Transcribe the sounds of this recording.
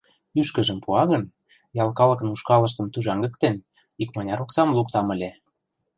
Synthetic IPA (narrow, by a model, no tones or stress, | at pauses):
yʃkə̆ʒə̆mpuɑɣə̆n | jɑlkɑlɤ̆kə̆nuʃkɑlɤ̆ʃ̬t̪ə̆mt̪uʒɑŋɡə̆k̚t̪en | ikmɑnʲɑɾoksɑmlukt̪ɑmə̆lʲe